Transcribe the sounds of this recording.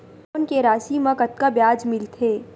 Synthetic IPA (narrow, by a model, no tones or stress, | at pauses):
oːnkeɾaːsimɐ̃kɐt̪̚kabjaːd͡ʒmɪlt̪ʰeː